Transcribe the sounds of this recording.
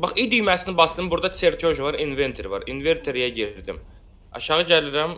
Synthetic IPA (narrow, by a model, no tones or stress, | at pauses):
bɑχid̪yjmæsinbɑsd̪ɯmbuɾd̪ɑt͡s̪ʰeɾkʲʰoʒvɑɾinve̞nt̪ʰeɾvɑ̰ɾinveɾt̪ʰoɾijæɟiɾd̪im | ɑ̰ʃɑʁɯɟæliɾæm